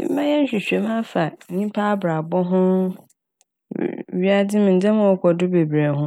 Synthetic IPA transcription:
ɪ̰̃˦mã˦jɛ˦n̩˦ɕᶣi˨ɕᶣɛ˨mã˦fa˨ɲĩ˦pʰa˦a˦bɾa˨bɔ˦ɦʊ̃˦ | ɥi˦a˦dɪ˦m̃˨n̩˨dɛ̃˦m˨wɔ˦kʰɔ˨dʊ˦be˨bɾã˨ɦʊ̃˦

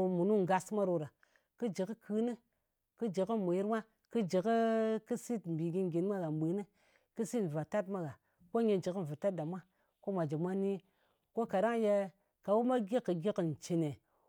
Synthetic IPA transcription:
mu˨nu˦ŋ˨ɡa˧sma˦ɾo˨ɾa˨ | kɨ˦d͡ʒi˨kɨ˦kʰɨ˧nɨ˦ | kɨ˦d͡ʒi˨kə˦˨mu˨ji˦ɾmʷa˦ | kɨ˦d͡ʒi˨kə˦kɨ˦si˦tm̩˨bi˨ɡi˧nɡi˨n˦ma˦ɡa˨m˨bɨ˨nɨ˦ | kɨ˦si˦tva˨ta˦tma˦ɣa˨ | ko˦ɲe˧nd͡ʒi˨kə˦˨vu˨ta˦t̚da˨mʷa˦ | ko˦ma˨d͡ʒi˨mʷa˦ni˦ | ko˦ka˨da˦ŋje˧ | ka˨wu˦ma˦ɡʲi˦kːə˨ɡʲi˦kn˨t͡ʃi˨ne˨

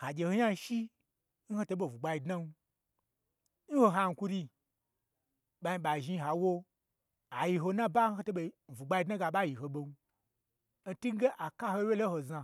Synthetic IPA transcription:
ka˨d͡ʒʲe˧ho˧ja˦˨ʃi˦ | n̩˦ho˦to˦ɓo˧˨vu˨ɡ͡ba˧i˧dna˦nu˧ | n̩˦ho˧ɦa˧ŋ̩˨ku˧ɾi˧ | ɓa˧i˧ɓa˨ʒi˧ɦa˨wo˦ | a˨ji˧ɦo˧na˦ba˦n̩˦ho˦to˦ɓo˨vu˨ɡ͡ba˧i˧dna˦ɡa˧ɓa˦ji˨ho˧ɓo˧nu˧ | n̩˨tu˦ŋ˦ɡe˦ʔa˨ka˦ho˧wje˦lo˦ho˧za˨

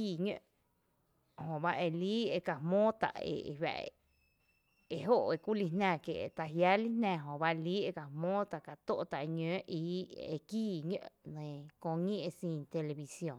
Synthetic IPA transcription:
iː˦˧˨ɲə̰̃˧ʔ | hõ˧˨ba˦ʔe˧liː˦e˧ka˨mõː˦t̪a̰˧ʔḛ˨ɦwa̰˧˨ʔḛ | e˧˨ɦo˦ʔe˧kʷu˦li˧ɦnæ̃ː˧˨ke˨ḛ˨t̪a˧ɦja˦li˦næ̃˧ɦõ˨ba˦˧liː˦e˧˨ka˨hmõː˦t̪a˧ʔka˨t̪o˦ʔt̪a˨ʔɲə̃˨˦ʔi˧e˧kiː˦ɲə̰̃˦ʔnẽ˨kõ˧ŋĩ˦e˧˨sĩ˧˨nt̪e˧le˧bi˧sjõ˧˨

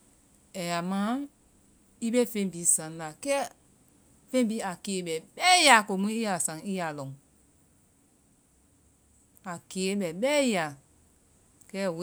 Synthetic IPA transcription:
ɛ˨ja˨mãː˨˦ | i˦ɓɛ˦fẽ˧˦˨biː˨˦sã˨˦la˨kɛː˦ | fẽ˦biː˦a˨ke˨e˧˦ɓɛ˨ɓɛː˦a˨ko˨mũ˦i˦ja˨sã˨ŋi˦ja˨lɔ̃˨ | a˨ke˨e˦ɓɛ˨ɓɛː˦i˦ja˨ | kɛ˦w

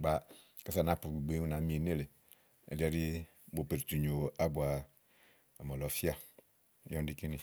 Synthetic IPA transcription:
ɡ͡ba˨ | ka˦sa˦˨na˦pu˨ɡ͡bi˨ɡ͡be˨˦ũ˦nã˨˦mĩ˨e˨n˦e˦˨le˨ | ɛ̰˨di˨˦a˦ɾi˦ | bo˨pe˨ɾtu˨ɲo˨a˦bu˨a˨ | mɔ˨lɔ˨fi˦a˦ | jɔ̃˦n˦di˦ki˦nĩ˨

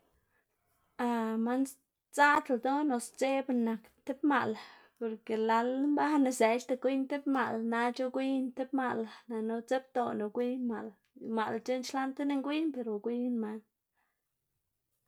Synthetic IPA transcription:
a˧ma˦n | t͡sa˦d̪ld̪o˦no˨st͡se˦bna˨k | t̪e˦bma̰˨l | po˨ɾke˨la˧˦lmba˦ne˧ze˨t̪e˧kʷi˦nt̪e˦pma˨lna˧t͡ʃo˦ɡʷi˦nt̪e˦bma˧lna˨nu˦t͡se˦b̚t̪o˨no˧ɡʷi˦nma˨l | ma˨lt͡ʃe˦nt͡ʃla˦nt̪e˦ne˦˧ŋɡʷi˦npe˨ɾo˨ɡʷi˦nma˦n

